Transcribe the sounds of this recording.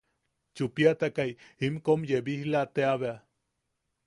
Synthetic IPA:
t͡ʃupiat̪akajimkomjebihlat̪eaβea

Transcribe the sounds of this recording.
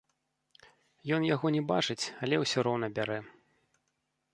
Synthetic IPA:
jɔnjaɣɔnʲɛbat͡ʂɨt͡sʲalʲɛwsʲɔɾɔwnɐbʲaɾɛ

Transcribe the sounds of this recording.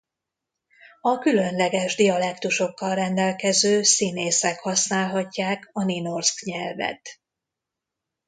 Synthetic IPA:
ɒkylø̞nlɛɡɛʒd̪iɒlɛkt̪uʃo̞kːɒlrɛnd̪ɛlkɛzøːsineːsɛkhɒsnaːlɦɒcːaːkɒnino̞rskɲɛlvɛ̰t̪

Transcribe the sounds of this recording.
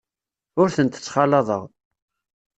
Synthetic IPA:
ʊɾθənt̪ə̥t͡sːχɑlːɑðˤə̰ʁ

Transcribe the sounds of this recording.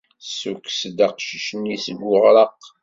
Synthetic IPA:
suksd̪aqʃiʃənisəɡːʊʁɾəq

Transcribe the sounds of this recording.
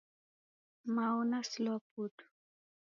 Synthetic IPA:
maunaslɔput

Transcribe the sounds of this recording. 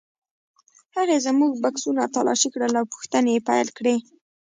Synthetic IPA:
haɣezəmuɡ̚baksunat̪alɑ̰ʃikɽəlawpu̥xt̪ənepajlkɽe

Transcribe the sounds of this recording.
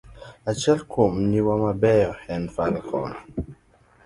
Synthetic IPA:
at͡ʃɛlkʰomniwamabɛjɔhɛnfalkʰɔ̰nɔ

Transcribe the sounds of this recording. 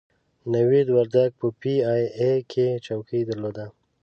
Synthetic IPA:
nawid̪waɾd̪aɡ̚pəpiajekʰet͡ʃawkʰəjd̪əɾlod̪a

